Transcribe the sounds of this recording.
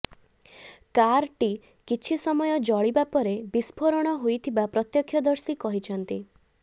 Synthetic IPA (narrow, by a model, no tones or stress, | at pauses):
kaɾʈi | kit͡ʃʰisɔmɔjɔd͡ʒɔɭibapɔɾebispʰoɾɔɽ̃ɔɦojt̪ʰibapɾɔt̪jɔkʰjɔd̪ɔɾsikɔɦit͡ʃʰɔnt̪i